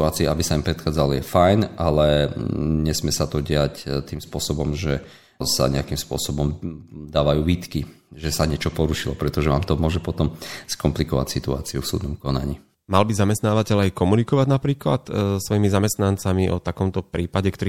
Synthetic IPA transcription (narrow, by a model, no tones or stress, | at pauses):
uaːt͡siɛʔabisaimpɾɛt̪xaːd͡zalɔjɛfajnʔalɛ | ɲɛsmɪɛsat̪ɔɟɪact̪iːmspʊɔsɔbɔmʒɛ | sa̰ɲɛakimspʊɔ̰sɔbɔmd̪aːʋajuːʋiːt̪kiʒɛsaɲɪɛt͡ʃɔpɔɾuʃilɔpɾɛt̪ɔʒɛʋaːmt̪ɔmʊɔʒɛpɔt̪ɔmskɔmplikɔʋa̰csit̪ua̰ːt͡siufsṵːd̪̚nɔmkɔna̰ɲḭ | malbizamɛst̪naːʋacɛʎajkɔmunikɔʋaɟnapɾiːkla̰t̪sʋɔjimizamɛst̪nant͡samiʔɔt̪akɔmt̪ɔpɾiːpaɟɛkt̪ɔɾi